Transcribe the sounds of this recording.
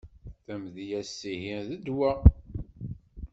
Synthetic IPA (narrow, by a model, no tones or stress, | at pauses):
θæmðijæsːihinðəd̪wæ